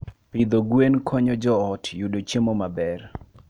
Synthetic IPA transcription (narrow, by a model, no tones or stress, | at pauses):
pid̪oɡwenkʰɔɲɔd͡ʒɔɔtjudot͡ʃemomabɛr